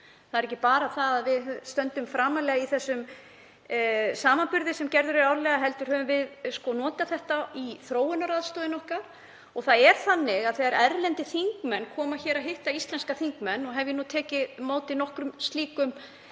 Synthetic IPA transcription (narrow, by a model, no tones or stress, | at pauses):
θaðɛɾɛc̬ːɪpaːɾaθaðaðvɪððst̪œnt̪ʏmfɾaːmalɛːɣaiθɛsːʏm | saːmanpʏɾðɪsɛmcɛɾðʏɾɪɾawɾlɛːɣaɦɛlt̪ʏɾ̥hœːvʏmvɪðskɔnɔːt̪aθɛht̪aiθɾoːwʏnːaɾaðst̪ɔːðɪnɔhkaɾ̥ | ɔɣθaðɛɾ̥θanːɪɣaðθɛɣaɾɛɾlɛnt̪ɪθiŋkmɛnːkʰɔːmaçɛːɾaɦɪht̪aist̪lɛnskaθiŋkmɛnːɔɣɦɛvjɪnut̪ʰɛːcɪmoːwt̪ɪinɔhkɾʏmst̪liːkʏm